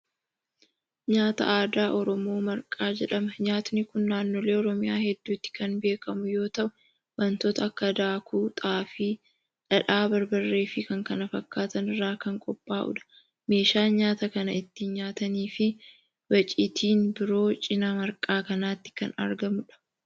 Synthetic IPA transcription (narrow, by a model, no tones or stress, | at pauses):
ɲaːt̪ɐ̰ʔaːd̪aːʔɔɾɔmo̞ːmɐɾkʼaːd͡ʒɛᶑɐmɐɲaːt̪ʊnɪkʊnːaːnːoːle̞ːɔɾɔmɪjaːhɛd̪ːuːt̪ːɪ̥kɐnbe̞ːkɐmʊjo̞ːt̪ɐʔʊ | bɐnt̪oːt̪ɐɐkːɐd̪aːkuːt̪ʼaːfiː | ᶑɐᶑaːbɐɾbɐrːe̞ːfɪkɐŋkɐnɐfɐkːaːt̪ɐnɪrːaːkɐŋkʼɔpʼːaːʔʊ̰ᶑɐ̥ | me̞ːʃaːɲaːt̪ɐkɐnɐɪt̪ːɪɲaːt̪ɐniːfɪ | bɐt͡ʃʼit̪ʰiːnbɪɾo̞ːt͡ʃʼɪnaːmɐɾkʼaːkɐnaːt̪ːɪ̥kɐ̰nɐ̰ɾɡɐmʊᶑɐ̥